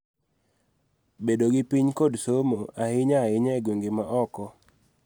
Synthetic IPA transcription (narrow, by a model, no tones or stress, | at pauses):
bedoɡipiɲkodsomoahɪɲaɪɲɛɡweŋɡemaʔɔkɔ